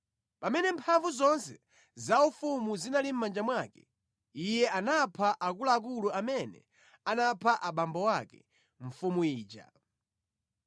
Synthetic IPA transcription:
pamɛnɛmpʰaɱvuzɔnsɛ | zaufumuzinalim̩mːand͡ʒamwakɛ | ijɛʔanapʰaʔakulaːk̬uluamɛnɛ̰ | anapʰaʔaɓambɔwakɛ̰ | ɱ̩fumuiːd͡ʒa̰

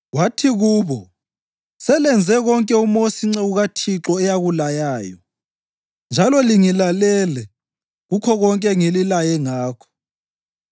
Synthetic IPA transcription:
watʰiɣuːβɔ | sɛlɛnd͡zʱɛɣɔŋkʼɛumosiŋ͡ǀɛuɣatʰiǁɔɛjaɣulajaːjɔ̰ | nd͡ʒʱalɔliŋilalɛlɛ | ɣukʰɔɣɔŋkʼɛŋililajɛŋaːkʰɔ̥

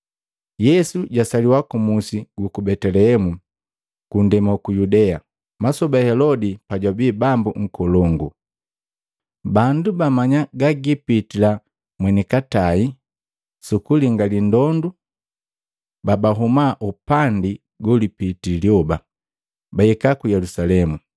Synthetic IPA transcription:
jɛsuɟasaliwakumusiɡukubɛtɛlɛhɛmu | kundɛmakujudɛa | masɔbahɛlɔdipaɟwabibambuŋ̩kɔlɔŋɡu | bandubamaɲaɡaɡipitila | mwɛnikatai | sukuliŋɡalindɔndu | babaɦumaʔupandi | ɡɔlipitiljɔba | baɛkakujɛlusalɛmu

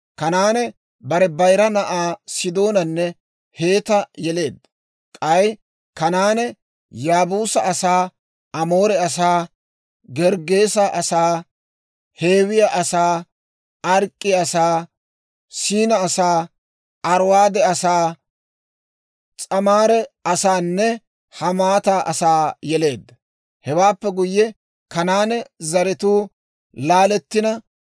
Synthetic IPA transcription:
kɐnaːnɛ | bɐɾɛbɐjɾɐnɐʔaːsɪd̪o̞ːnɐnːɛ | he̞ːt̪ɐjɛle̞ːd̪ːɐ | kʼɐj | kɐnaːnɛ | jaːbuːsɐɐsaː | ɐmo̞ːɾɛɐs̬aː | ɡɛɾɡe̞ːsɐʔɐsaː | he̞ːwɪjaʔɐsaː | ɐɾkʼːɪjɐsaː | siːnɐːsaː | ɐɾwaːd̪ɛɐsaː | t͡sʼɐmaːɾɛɐsaːnːɛ | hɐmaːt̪aːʔɐsaːjɛle̞ːd̪ːɐ | hɛwaːpːɛɡʊjːɛ | kɐnaːnɛzɐɾɪt̪uː | laːlɛt̪ːɪnɐ

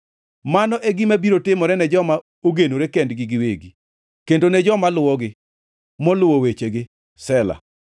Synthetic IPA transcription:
manɔʔeɡɪmabiɾotɪmɔɾɛnɛd͡ʒɔma | oɡenoɾekɛndɡɪɡɪweɡi | kendonɛd͡ʒɔmalʊwɔɡɪ | mɔlʊwowet͡ʃeɡɪ | sɛla̰

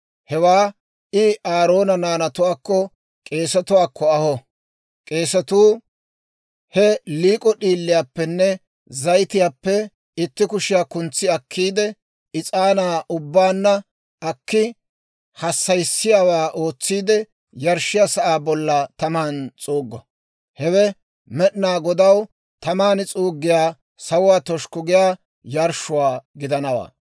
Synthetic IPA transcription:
hɛwaː | ɪʔaːɾo̞ːnɐnaːnɐt̪ʊwaːkːɔ | kʼe̞ːsɐt̪ʊwaːkʰːɔɐhɔ | kʼe̞ːsɐt̪uː | hɛliːkʼɔɗiːlːɪjaːpːɛnːɛ | zɐjt̪ɪjaːpːɛ | ɪt̪ːɪkʊʃɪjakʊnt͡sːɪɐkʰːiːd̪ɛ | ɪt͡sʼaːnaːʔʊbːaːnːɐ | ʔɐkːɪ | hɐsːɐjsːɪjaːwaːʔo̞ːt͡sːiːd̪ɛ | jɐɾʃːɪjasɐʔaːbɔlːɐt̪ɐmaːnt͡sʼuːɡːɐ | hɛwɛ | mɛɗnaːɡɔd̪ɐw | t̪ɐmaːnɪt͡sʼuːɡːɪjaː | sɐwʊwaːt̪ɔʃkʊɡɪjaː | jɐɾʃʊwaːɡɪd̪ɐnɐwa̰ː

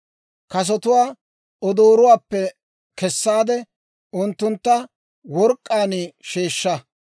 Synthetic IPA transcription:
kɐs̬ɔt̪ʊwaː | ɔd̪oːɾʊwaːpːɛ | kɛsːaːd̪ɛ | ʊnt̪ːʊnt̪ːɐ | wɔɾkʼːaːnɪʃeːʃːɐ

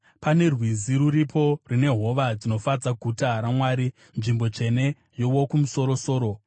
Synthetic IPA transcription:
pane̞rwiziɾuɾipʰo̞rine̞ɦo̞ʋad͡zino̞fad͡zaɡʱutaɦaɾamwaːɾi | nʐimbo̞t͡ʂe̞ne̞ | jowo̞kumuso̞ɾo̞so̞ːɾo̞

